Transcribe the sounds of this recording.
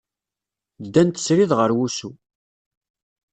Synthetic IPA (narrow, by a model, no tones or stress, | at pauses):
d̪ænt̪ə̥sɾiðʁəɾwusu